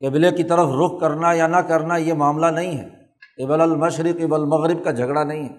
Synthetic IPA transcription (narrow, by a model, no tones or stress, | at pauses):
kebɪlekit̪ɐɾəfɾʊk̚ʰkɐɾnajanɐkɐɾnajemaːmlanɐɦĩɦɛ̰ː | ɪbɐlɐlmɐʃɾɪqɪbəlmɐɣɾɪb̚kad͡ʒʱɐɡɽanɐɦĩɦɛː